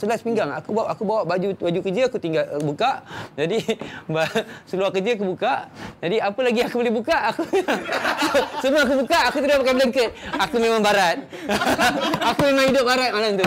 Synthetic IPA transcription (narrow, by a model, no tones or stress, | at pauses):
səlaspiŋɡaŋa̰kubʔakubawaʔbad͡ʒubad͡ʒukəd͡ʒəakut̪iŋɡalbukaʔd͡ʒadibasəluakəd͡ʒəakubukaʔd͡ʒadiapəlaɡiakubolɪhbukaʔaku | ssəmuaak̬ubukaʔakut̪ədapakabələŋkət̪̚akumemãŋbaɾat̪̚ | akumemãŋhidʊp̚baɾat̪̚malamt̪ʊ